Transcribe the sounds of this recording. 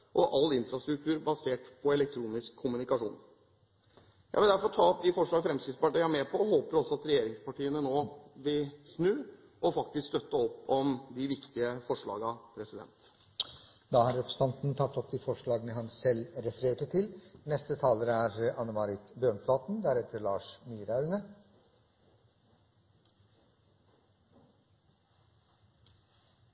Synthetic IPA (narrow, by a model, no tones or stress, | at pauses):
ʔɔʔɑlːɪnfɾɑst̪ɾʉkt̪ʰʉːɾbɑseːʈpʰɔɛlɛkt̪ʰɾuːnɪskʰːʊmʉnɪkɑʂṵːn | jʔæ̰ɪʋɪld̪æɾfɔɾʈʰɑːɔp̚d̪ɪfɔʂɭɑːɡəfɾɛmskɾɪt̪spɑʈːɑmeːpʰɔhoːpəɾɔsːɔɑt̪ɾɛjeːɾɪŋspɑʈiːənənoːʋɪlsnʉː | ʔɔfɑk̚t̪ɪskst̪œt̪ːəɔpːɔmd̪ɪʋɪkt̪ɪəfɔʂɭɑ̰ːɡɑpʰɾɛsɪd̪ɛ̰nt̪ | d̪ɑːhɑɾɾɛpʰɾəsə̥nt̪ɑnt̪n̩t̪ʰɑt̪ːɔpd̪iːfɔʂɭɑːɡənəɦɑnsɛlɾɛfəɾeːʈət̪ʰɪlnɛst̪ət̪ʰɑːləɾæɾɑnːəmɑɾɪt̪bjøːɳflɑːt̪n̩d̪æɾɛt̪ʰːəɾɭɑːʂmiːɾɑʉnə